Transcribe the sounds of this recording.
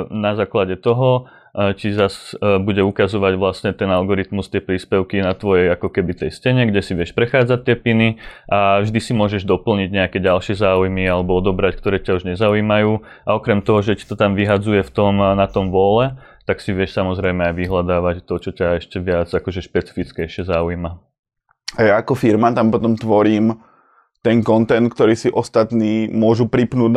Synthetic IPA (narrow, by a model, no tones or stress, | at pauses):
nazaːklaɟɛt̪ɔɦɔ | t͡ʃizasbuɟɛukazɔʋaɟʋlasɲɛt̪ɛnalɡɔɾit̪must̪ɪɛpɾiːspɛʊkinat̪ʋɔjɛjakɔkɛbit̪ɛjscɛɲɛɡɟɛsiʋɪɛʃpɾɛxaːd͡zac̚t̪ːɪɛpiniʔavʒd̪isimʊɔʒɛʒd̪ɔpl̩ɲiɟɲɛakɛɟalʃɪɛzaːujmialɛbɔɔd̪ɔbɾackt̪ɔɾɛːcauʒɲɛzauiːmajuː | aɔkɾɛmt̪ɔɦɔʒɛci̥t̪ɔt̪amʋiɦad͡zujɛft̪ɔmnat̪ɔmʋɔlɛ | t̪aksiʋɪɛʃsamɔzɾɛɪjmɛajʋiɦlad̪aːʋact̪ɔt͡ʃɔcaɛʃcɛʋɪad͡zakɔʒɛʃpɛt͡si̥fit͡skɛjʃɪɛzaːujma | ajaːkɔfiɾmat̪ampɔt̪ɔmt̪ʋɔɾiːm | t̪ɛŋkɔnt̪ɛnt̪k̚t̪ɔɾiːsiʔɔst̪at̪niːmʊɔʒupɾipnuːd̪